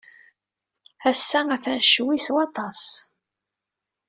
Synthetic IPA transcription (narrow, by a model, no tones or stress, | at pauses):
æsːæŋæθænʃwiswɑt̪ˤɑs